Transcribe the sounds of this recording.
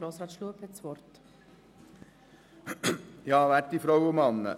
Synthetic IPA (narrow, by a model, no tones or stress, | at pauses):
ɾoːsɾɑːt̪ʃluəphɛtsʋɔɾt | jɑːʋæːt̚difɾɔwʊmɑnːə̰